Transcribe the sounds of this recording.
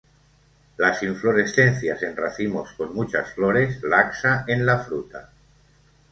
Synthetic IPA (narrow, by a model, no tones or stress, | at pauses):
lasiɱfloɾe̞sθe̞n̟θjase̞nraθimo̞skonmut͡ʃa̰sfloɾe̞slaksaenlafɾut̪a̰